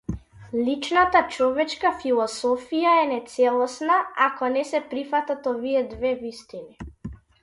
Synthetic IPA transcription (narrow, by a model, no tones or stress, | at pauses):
lit͡ʃnat̪at͡ʃɔvɛt͡ʃkafilˠɔsɔfijaɛnɛt̪sɛlˠɔsnaakɔnɛsɛpɾifat̪at̪ɔviɛd̪vɛvist̪ini